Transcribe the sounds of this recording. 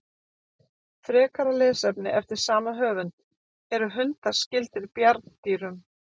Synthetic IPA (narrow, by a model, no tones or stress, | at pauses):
θɾɛːkʰaɾalɛːsɛpnɪʔɛft̪ɪɾ̥saːmaɦœːvʏn | ɛɾʏɦʏnt̪ḁscɪlt̪ɪɾpjaɾt̪nt̪iːɾʏm